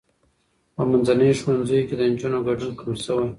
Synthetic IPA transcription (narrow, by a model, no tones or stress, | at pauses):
pəmanzanəjʃwanzəjoked̪ənd͡ʒunaɡaɖunkamsəwaj